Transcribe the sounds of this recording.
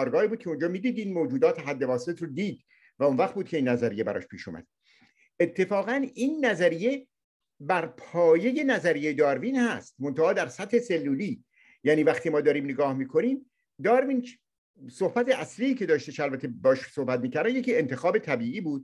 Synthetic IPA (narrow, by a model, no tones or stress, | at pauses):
ɒːɾɡɒːiːbuːd̪̚kʰeond͡ʒɒːmiːd̪iːd̪iːnmod͡ʒuːd̪ɒːt̪ʰeɦæd̪ːe̞vɒːse̞t̪ʰɾod̪iːd̪ | væonvæχt̪̚buːd̪̚cʰe̞iːnːæzæɾijebæ̰ɾɒ̰ːʃpʰḭːʃṵmæ̰d̪̥̚ | e̞t̪ʰːe̞fɒːɣæniːnːæzæɾije̞ | bæɾpʰɒːje̞je̞næzæɾijejed̪ɒːɾvinhæst̪mont̪ʰæʔɒːd̪æɾsæt̪heselːuːliː | jæːniːvæχt̪ʰiːmɒːd̪ɒːɾiːmneɡɒːhmiːkʰo̞niːm | d̪ɒːɾvin | sohbæt̪ʰeʔæsliːcʰe̞d̪ɒːʃt̪eʃælbæt̪ʰebeːʃso̞hbæt̪̚miːcʰæɾd̪æmjecʰiːe̞nt̪ʰe̞xɒːbet̪ʰæbiːiːbuːd̪̥̚